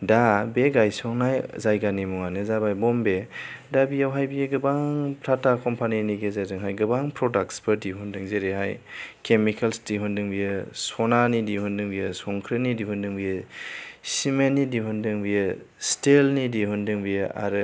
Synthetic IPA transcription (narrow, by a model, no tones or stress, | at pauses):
dabeɡajsɔŋnajzajɡanimɔŋanɯzabajbɔmbe | dabijawɦajbijeɡɯbaŋpʰɾatakɔmpʰaniniɡezazɯŋɦajɡɯbaŋpʰɾɔdakspɯɾdiɦundɯŋzeɾeɦajkʰemikʰalsdiɦundɯŋbijɯsɔnanidiɦundɯŋbijɯsɔŋkʰɾɯnidihundɯŋbijɯ | simenːidiɦundɯŋbijɯ | stelnidiɦundɯŋbija̰ɾɯ